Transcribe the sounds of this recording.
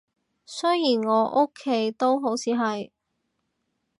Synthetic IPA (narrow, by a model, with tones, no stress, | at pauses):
sɵ˥jjiː˨˩nŋɔː˨˧ʔo˥kʰːe˨˥jt̪o˥wɦo˨˥wt͡sʰiː˨˥ɦɐ˨j